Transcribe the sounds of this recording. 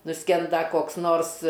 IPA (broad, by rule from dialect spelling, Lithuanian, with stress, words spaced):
nʊˈsʲkʲɛndɐ koːks ˈnoːrs